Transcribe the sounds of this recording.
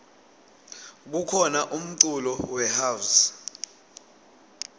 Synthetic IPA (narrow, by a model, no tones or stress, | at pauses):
k̬ukʰɔnaʔum̩ǀulɔwɛhaws